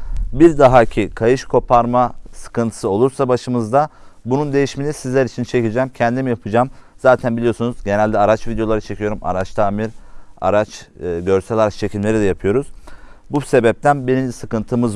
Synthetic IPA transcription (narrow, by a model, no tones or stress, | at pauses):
biɾd̪aɦacʰikʰajɯʃkʰo̞pʰaɾmasɯ̥kɯnt̪ʰɯ̥sɯo̞lˠuɾsabaʃɯmɯzd̪abunund̪e̞jiʃminisizlʲæɾit͡ʃʰint͡ʃʰe̞cid͡ʒɛːmcʰɛnd̪imijapʰɯd͡ʒaːmz̥aːt̪ʰænbilijo̞sunuzɟe̞nælʲd̪ɛaɾat͡ʃvid̪ejo̞lˠaɾat͡ʃʰe̞cʰijo̞ɾuma̰ɾat͡ʃt̪ʰaːmiɾa̰ɾat͡ʃːɟø̞ɾsɛlʲaɾat͡ʃt͡ʃʰe̞cʰʲilmlʲe̞ɾid̪ɛjapʰɯjo̞ɾuz̥ | buse̞bɛp̚t̪ʰænbenimsɯkɯnt̪ʰɯmɯz